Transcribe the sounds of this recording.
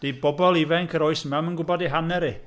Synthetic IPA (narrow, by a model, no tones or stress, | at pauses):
d̥ibɔbɔlˠivɛŋkʰəɾɔɨsəmamənɡʊbɔdiɦanɛɾi